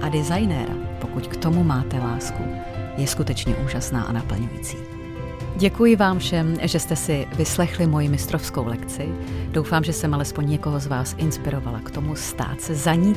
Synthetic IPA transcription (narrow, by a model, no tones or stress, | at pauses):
ʔadɪzajnɛɾa̰po̞kuckt̪o̞mumaːt̪ɛlaːsku | jɛskut̪ɛt͡ʃɲɛ̰ʔuːʒasna̰ːʔa̰napl̩ɲujḭt͡si̥ː | ɟɛkujɪvaːmfʃɛmʒɛst̪ɛsɪvɪslɛxlɪmo̞jɪmɪst̪ɾo̞fsko̞wlɛkt͡sɪd̥o̞wfaːmʒɛsɛmalɛspo̞ɲɲɛko̞ɦo̞zvaːsʔɪnspɪɾo̞valakt̪o̞must̪a̰ːt̪sɛzaɲiː